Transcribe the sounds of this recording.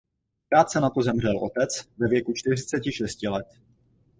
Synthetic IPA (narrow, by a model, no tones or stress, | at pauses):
kɾaːt̪sɛnat̪ozɛmr̝ɛlʔo̞̰t̪ɛt͡svɛvjɛkut͡ʃt̪ɪr̝ɪt͡sɛcɪʃɛscɪlɛt̪̚